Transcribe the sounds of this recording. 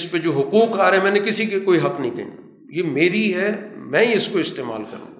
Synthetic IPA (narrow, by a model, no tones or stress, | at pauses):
ɪsped͡ʒoːɦʊquːqaːɾɛmɛ̃ːnekɪsikekoːiɦɐqnɐɦĩd̪ḛːna̰ | jeːmeːɾiɦɛmɛ̃ːiɪskoɪst̪eːma̰ːlkɐ̰ɾṵ̃ːɡ